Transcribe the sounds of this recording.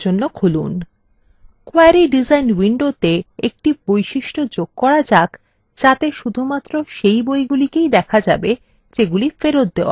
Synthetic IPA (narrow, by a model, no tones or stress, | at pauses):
d͡ʑonːokʰulṵn | koajaɾiɖid͡ʑajnwiɳɖot̪eek̚ʈibojʃiʃʈod͡ʑoɡ̥̚kɔɾad͡ʑak | d͡ʑat̪eʃud̪ʱumat̪ːɾoʃejbojɡulikejd̪ɛkʰad͡ʑabe | d͡ʑeɡulifeɾot̪̚d̪eoa̰